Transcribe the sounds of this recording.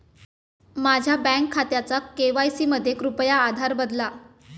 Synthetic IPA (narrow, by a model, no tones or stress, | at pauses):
mad͡ʑʱjabɛ̃ŋkʰːat̪jat͡sakeʋajsiːməd̪ʱːjekɾupjaːd̪ʱaɾbəd̪la